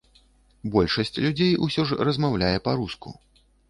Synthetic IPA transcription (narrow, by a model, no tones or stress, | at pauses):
bɔlʲʂɐsʲt͡sʲlʲud͡zʲejusʲɔʐrɐzmawlʲajɛpɐɾuskṵ